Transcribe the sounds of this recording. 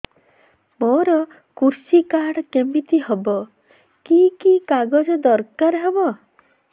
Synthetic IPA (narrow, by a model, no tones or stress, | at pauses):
moɾɔ | kuɾsikaɽɔkemit̪iɦɔbɔ | kikikaɡɔd͡ʒɔd̪ɔɾkaɾɦebɔ